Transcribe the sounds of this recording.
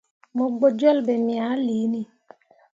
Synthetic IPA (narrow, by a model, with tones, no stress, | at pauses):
mo˨ɡ͡bo˨d͡ʒɔ˦˨lbɛ˨mja˨˦liː˨˦ni˦˨